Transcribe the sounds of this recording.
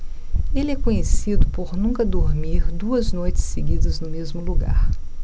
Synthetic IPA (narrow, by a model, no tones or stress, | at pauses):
elɪɛkõɲesid̪ʊpoɾnũŋkɐd̪oɾmiɾd̪uɐznojt͡ʃɪ̥sːeɡid̪ɐznʊmezmʊluɡa̰ɾ